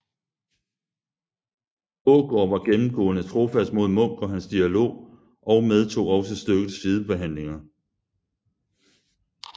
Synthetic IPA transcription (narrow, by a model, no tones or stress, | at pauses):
ɔɡ̥ɒːʋɑ̈ɡ̥emm̩ɡ̥ɔ̰ːnət͡sʰʁo̝fæsd̥mo̝ð̞ˠmɔ̽ŋ̰ɡ̥ɒ̽ɦænsd̥iælo̝̰ː | ʔɒ̽ʊmeð̞ˠt͡sʰo̝̰ːɒ̽sɒsd̥øɡ̥ð̩ˠsið̞ˠəb̥e̝ɦæn̰le̝ŋɐ